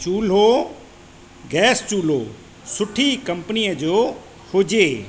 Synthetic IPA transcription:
t͡ʃuːlɦoː | ɡɛːst͡ɕuːl̤ɦoː | sʊʈʰikəmpənijəd͡ʑoː | hʊd͡ʑeː

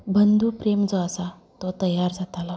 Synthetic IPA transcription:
bənd̪ʱuːpɾemd͡zɔasa | t̪ot̪əjːaɾd͡zat̪ala

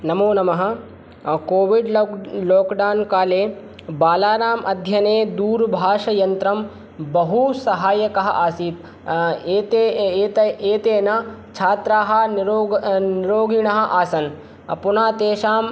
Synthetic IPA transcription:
nɐmoːnɐmɐɦɐ̆ | koːʋiɖloːkɖaːnkaːleː | baːlaːɾaːmʔɐd̪ʱjɐneːd̪uːɾbʱaːʂɐjɐnt̪ɾɐm | bɐɦusɐɦaːjɐkɐɦɐ̰ʔaːsiːt̪ | eːt̪eːt̪ɐeːt̪eːnɐt͡ʃʰaːt̪ɾaːɦɐ̆nɾoːniɾoːɡiɳɐɦɐ̆ʔaːsɐn | ɐ̰punaːt̪eːʃaːm

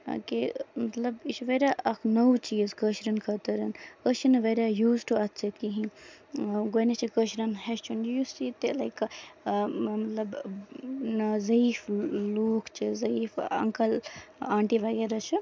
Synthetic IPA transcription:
kimɐt̪lɐbit͡ʃʰʋeɾʲaʔɐkʰnowt͡ʃiːzkəʃɾɐnkʰɐt̪ɐɾɐnət͡ʃʰinɨʋeɾʲajuːzʈuɐt̪t͡ʃʰɐkiɦĩ | ɡonet͡ʃʰikəʃɾɐnɦest͡ʃʰunjust͡ʃit̪elɐjk | mɐt̪lɐb | zɐifloːkʰt͡ʃʰizɐifɐ̰ŋkɐlaːɳʈiʋaɡeɾɐt͡ʃʰi

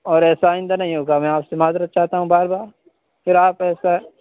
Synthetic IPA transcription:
ɔːɾɛːsaaːɪ̃nd̪anɐɦĩɦoːɡamɛ̃aːpsemaːzɾət̪̚t͡ʃaːɦt̪aɦũbaːɾbaːɾ | fʰɪɾaːpɛːsa

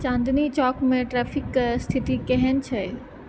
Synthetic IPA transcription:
t͡ʃãːnd̪nit͡ɕɔːkmẽʈɾɛːpʰɪkst̪ʰɪt̪ikɛɦɛn̆t͡ɕʰɛ

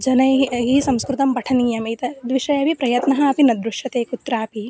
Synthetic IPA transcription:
d͡ʒɐnɐjɦisɐ̃mskɾut̪ɐmpɐʈʰɐniːjɐmɐjt̪ɐd̪ʋiʃɐjɐbipɾɐjɐt̪nɐɦɐɐpinɐd̪ɾuʃjɐt̪eːkut̪ɾaːpi

